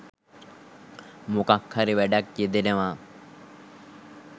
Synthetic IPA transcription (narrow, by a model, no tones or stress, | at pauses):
mokakhaɾiʋæɖakjed̪enəʋaː